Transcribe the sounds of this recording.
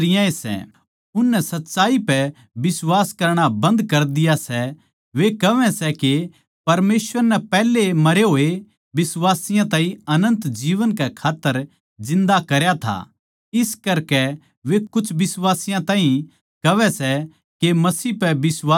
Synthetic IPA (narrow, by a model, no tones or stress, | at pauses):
ɾɪjãesɛ̰ | ʊnːɛsɐtːʃaːipɛ | bɪswaːskɐɾɽ̃abɐ̃nd̪kɐɾd̪ɪjasɛ | ʋekɐʋɛ̃sɛke | pɐɾmeːsʋəɾnɛpɛːlemɐɾeɦoːe | bɪswaːsɪjãt̪ãːɦĩɐnə̃nt̪d͡ʒiːʋənkɛkʰaːt̪ːəɾ | d͡ʒɪ̃nd̪akɐɾjat̪ʰa̰ | ɪskɐɾkɛ | ʋekʊt͡ʃʰbɪswaːsɪjãt̪ãːɦĩ | kɐʋɛsɛ | kemɐsiːpɛbɪswaː